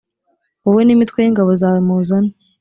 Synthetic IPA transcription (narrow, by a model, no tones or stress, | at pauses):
oβwenimit̪kwejiŋɡaβozaːmuzana